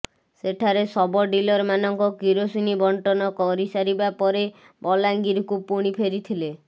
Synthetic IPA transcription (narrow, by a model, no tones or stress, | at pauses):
seʈʰaɾesɔbɔɖilɔɾmanɔŋkɔkiɾosinibɔɳʈɔnɔkɔɾisaɾibapɔɾe | bɔlaŋɡiɾkupuɽ̃ipʰeɾit̪ʰile